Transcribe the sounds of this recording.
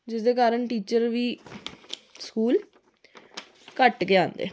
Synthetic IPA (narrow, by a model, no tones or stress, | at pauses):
d͡ʒɪsd̪eːkaːɾəɳʈiːt͡ʃəɾʋiː | skuːl | kəʈkeːãːnd̪ḛː